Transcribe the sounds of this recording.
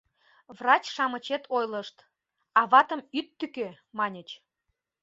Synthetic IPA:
vrɑt͡ɕʃɑmət͡ɕet̪ʰojləʃt̪ | ɑβɑt̪əmyt̪ːykø | mɑnʲət͡ɕ

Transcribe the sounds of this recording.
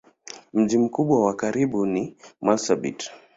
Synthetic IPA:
m̩ʄim̩kuɓwawakaɾiɓunimalsabḭt

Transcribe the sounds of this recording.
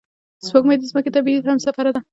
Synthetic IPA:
swoɡmad̪izməket̪abiihamsafaɾad̪a

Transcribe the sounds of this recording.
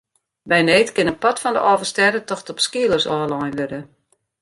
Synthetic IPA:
bɛjneːtkɪnənpɔtfɔndəʔɔːvərstɛdətɔxtɔpskiəlˠərsɔːlɔjnʋøɾə

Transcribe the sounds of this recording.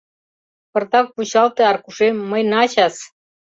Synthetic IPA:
pɤ̆rt̪ɑk̚puɕɑlˠt̪ĕɑrkuʂemːəjnɑɕɑs

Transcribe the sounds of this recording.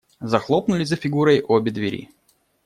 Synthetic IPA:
zɐxlˠopnʊlʲɪzəfʲɪɡuɾəjʔobʲɪd̪vʲɪɾʲḭ

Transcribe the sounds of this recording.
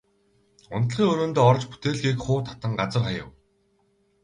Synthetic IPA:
ʊ̰nt̪̆ɮχiːŋɵnɵ̆nt̪oːɔrt͡ɕpu̥t̪eːɮɣiːkχʊːt̪ʰḁt̪ə̆ŋɢat͡sə̆rχajə̰̆w

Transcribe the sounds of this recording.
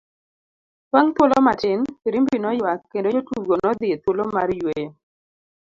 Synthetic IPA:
pwaŋt̪wolomatɪnɾimbinɔjwakːendootuɡonɔd̪ɪet̪wolomaɾjwej

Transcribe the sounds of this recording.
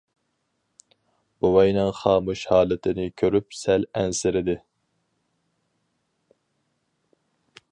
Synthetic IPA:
b̥uwɛjnɪŋχɑːmuʃhɑːlˠɨt̪ʰɪnɪkʲʰøɾyp̚sɛlænsɪɾɪd̪ɪ

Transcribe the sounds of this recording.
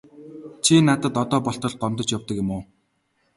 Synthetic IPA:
t͡ɕʰinat̪ə̆t̪ɔt̪ɔːpɔɬt̪ɞ̆ɮ̚ɢɔmt̪ɞ̆t͡ɕjawt̪ə̆kjɪ̆mʊː

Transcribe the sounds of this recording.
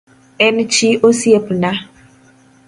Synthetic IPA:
ɛnɪ̃t͡ʃiʔosiepnã

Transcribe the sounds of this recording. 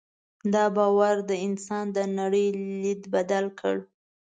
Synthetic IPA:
d̪ɑbɑwaɾd̪əɪnsɑnd̪ənaɽəjlid̪bad̪alkʰəɽ

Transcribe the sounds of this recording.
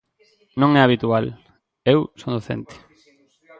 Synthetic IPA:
nõŋɛaβit̪ual | ewsond̪oθḛ̃nt̪ɪ̥

